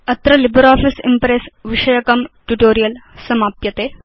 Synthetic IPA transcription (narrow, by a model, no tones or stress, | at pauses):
ɐt̪ɾɐlibɐɾaːfisimpɾeːsʋiʂɐjɐkɐmʈuʈoːɾijɐlsɐmaːpjɐt̪e